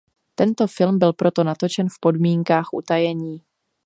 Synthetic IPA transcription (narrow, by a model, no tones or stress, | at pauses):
t̪ɛnt̪o̞fɪlmbɪlpɾo̞t̪o̞nat̪o̞t͡ʃɛnfpo̞dmiːŋkaːxʔṵt̪ajɛɲiː